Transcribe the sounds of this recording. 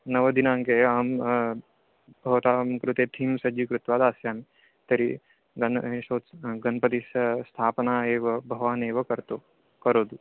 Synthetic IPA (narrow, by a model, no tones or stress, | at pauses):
nɐʋɐd̪inãːŋkeaːm | bʱɐʋt̪aːmkɾut̪eːt̪ʰiːmsɐd͡ʒikɾut̪ʋaːd̪aːsjaːn | t̪ɐɾi | ɡɐnsoːt̪ɡɐnpɐt̪̬isɐst̪ʰaːpnaːeːʋɐbʱɐʋaːneːʋɐkɐɾt̪o | kɐɾoːd̪u